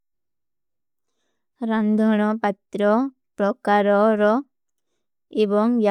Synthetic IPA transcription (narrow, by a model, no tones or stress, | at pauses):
ɾand̪ʱɔɳ̃ɔpat̪ɾɔ | pɾɔkaɾɔɾɔ | ebɔŋja